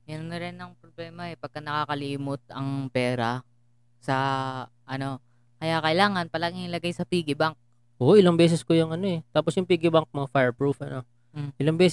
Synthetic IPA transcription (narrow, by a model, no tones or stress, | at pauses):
jɐnːɐɾɪnɐŋpɾoblɛːmɐɛpɐɡ̚kːɐnɐkaːkɐliːmot̪̚ɐŋpɛːɾɐ | sɐ | ʔɐno̞ | kɐjaːkɐʔɪlaːŋɐnpɐlaːɡɪŋlɐɡajsɐpiːɡɪbaŋk̚ | ʔoʔɪlaŋbɛːs̬ɛskojʊŋʔɐno̞ɛt̪aːposjʊŋpiːɡɪbaŋk̚mɐŋafajɹpɹufʔɐno̞ | ʔɪlaŋbɛːs